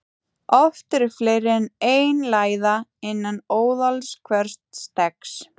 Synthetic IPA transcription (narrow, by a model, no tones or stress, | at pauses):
ʔɔft̪ɪɾɪflejɾɪneːjnlaːjðaɪnːanoːwðalskʰvɛɾ̥st̪st̪ɛks